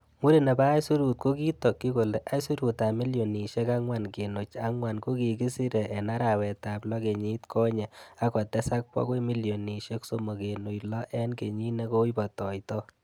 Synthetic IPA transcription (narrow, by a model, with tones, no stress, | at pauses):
mu˦ɾe˦˨ne˨baː˦jsu˦ɾu˨t̚ko˦ki˦tɔ˨kːi˦ko˨le˨ʔa˦jsu˦ɾu˨ta˨mi˦ljo˨ni˨ʃɛ˦ka˦ŋwa˨nke˨no˨t͡ʃa˦ŋwa˨nko˦ki˨ki˦si˦ɾe˨ʔɛ˨na˦ɾa˨wɛ˨ta˨plɔ˦ke˨ɲi˦tkʰɔ˦ɲɛ˨a˦kɔ˨tɛ˦sa˦k̚pwɔ̰˦kwe˦mi˦ljo˨ni˨ʃe˦kso˦mo˨ke˨no˨jlɔ˦ʔɛ˦nke˨ɲi˦ne˦ko˦i˦pɔ˨tɔ˨jtɔ˦